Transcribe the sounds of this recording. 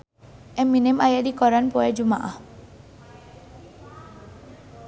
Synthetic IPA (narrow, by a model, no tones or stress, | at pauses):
ɛmːinemajad̪ikɔɾanpɔed͡ʒuma̰ʔa